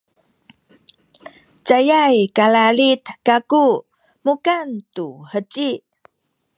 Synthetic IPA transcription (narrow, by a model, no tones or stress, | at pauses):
t͡sajajkalalit̪kaku | mukantuhət͡ɕi